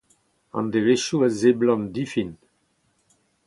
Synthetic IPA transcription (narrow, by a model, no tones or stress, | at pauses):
ɑ̰̃nd̪eveʃuazeblɔ̃nd̪ifin